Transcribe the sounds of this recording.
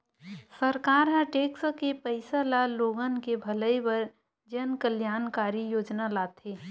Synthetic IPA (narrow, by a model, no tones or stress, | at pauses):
səɾkaːɾɦãʈeːkskepəɪsalaloːɡənkebʱɐləibəɾ | d͡ʒənkəljaːnkaːɾijoːd͡ʒnalaːt̪ʰeː